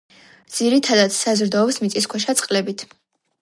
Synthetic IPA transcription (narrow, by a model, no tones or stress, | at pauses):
d̪z̥iɾit̪ʰad̪ad̪sazɾd̪aɔbsmit̪sʼiskʰwɛʃat̪sʼqʼlɛbit̪ʰ